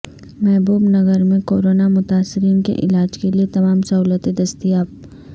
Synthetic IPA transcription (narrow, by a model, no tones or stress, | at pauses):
mɛɦbuːbnɐɡəɾmẽkoːɾoːnamʊt̪aːsːɪɾiːnkḛʔɪ̰laːd͡ʒkeliet̪ɐmaːmsɐɦuːlət̪ed̪ɐst̪iaːb̚